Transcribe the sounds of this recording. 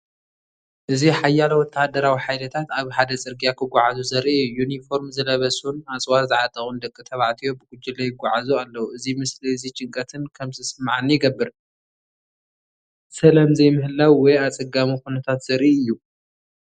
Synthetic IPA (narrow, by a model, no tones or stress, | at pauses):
ʔɨziħajːalwɔt̪ʰːahad̪ɐɾawiħajlɐt̪ʰat̪aβħad̪ɐt͡sʼɨɾɡijakʰɨɡʷaʕazuzɐɾijːunifo̞ɾmzɨlɐβɐsunat͡sʼwazɨʕat̪ʼɐxund̪ɐkʼːɨt̪ʰɐβaʕt̪ʰijo̞bɨɡ̥ʊd͡ʒːɪlɐjɪɡʷːaʕazualːɐwuʔɨzimɨsliɨzit͡ʃʼɪŋkʼɐt̪ʰɨnkʰɐmzɨsmʕanːijɪɡɐbːɨɾ | sɐlamzɐjmɨhɨlːawwɔjat͡sʼɐɡamikunɐt̪ʰat̪z̥ɐɾʔiɨjːu